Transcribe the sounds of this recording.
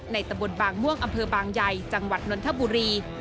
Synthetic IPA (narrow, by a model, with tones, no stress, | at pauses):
na˧jt̪a˧mbo˨˩n̚baː˨˩ŋmu˥˩əŋʔa˧mpʰɤː˧baː˧ŋja˧jt͡ɕa˧ŋwa˨˩t̪̚no˧˥nt̪ʰa˦˥˩buː˧ɾiː˧